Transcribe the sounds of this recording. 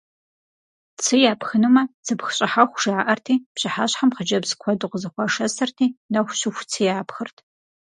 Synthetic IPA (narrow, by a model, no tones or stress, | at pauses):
t͡sʰɨjaːpxɨnumɐt͡sʰɨpxɕʼɪħaxʷʒ̥aːʔɐrtʰiːpɕɪħaːɕħamχəd͡ʒɐbzkʷʰɔdʼɨqəzɨxʷɑʂɐsɐrtʰiːnɐxʷɕʊxʷt͡sʰiːjaːpxɨrtʰ